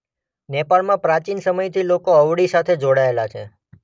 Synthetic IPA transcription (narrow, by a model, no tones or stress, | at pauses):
nepaɭmãpɾat͡ʃinsəməjt̪ʰilokoəʋɽisat̪ʰed͡ʒoɽaelat͡ʃʰe